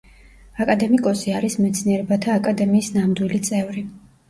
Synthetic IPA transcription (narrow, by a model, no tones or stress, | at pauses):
akʼad̪ɛmikʼɔsiaɾismɛt̪sʰniɛɾɛbat̪ʰaːkʼad̪ɛmiːsnamd̪wilit̪sʼɛvɾi